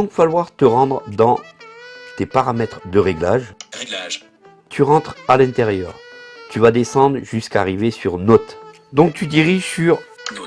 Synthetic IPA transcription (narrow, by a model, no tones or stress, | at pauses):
ɔ̃kfalwaʁt̪əʁɑ̃d̪ʁd̪ɑ̃ | t̪epaʁamɛt̪χd̪əʁeɡlaʒ | t̪ʰyʁɑ̃t̪χalɛ̃t̪eʁjœ̰ːʁt̪yvad̪esɑ̃d̪ʁʒyskaʁivesyʁnɔt̪ | d̪ɔ̃k̚t̪yd̪iʁiʒsyʁ